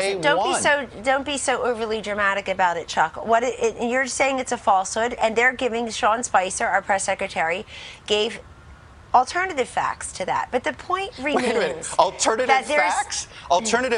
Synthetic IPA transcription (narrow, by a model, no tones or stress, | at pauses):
dõʊ̃nbisoʊdõʊ̃nb̥isoʊʔoʊvə˞lˠidɹɨmæɾɨkɨbaʊɾɨt̚t͡ʃʰʌkwʌɾɪjə˞seɪɪ̃ŋɨtsɨfɔlˠshʊɾɨ̃nðə˞ɡɪvɪ̃ŋʃɔ̃nspaɪsə˞əpʰɹ̥ɛsɛkɹɨtʰɛɹiɡ̥eɪv | l̩ˠtʰɜ˞nɨɾɨv̥fæ̰k̚stʰɨðæ̰t̚b̥ʌt̪̚ðɨpʰɔ̃ɪ̃nʔɹɨm̃nzl̩ˠtʰɜ˞nɨɨt̪̚ðəksl̩ˠtʰɜ˞nɨɾɨ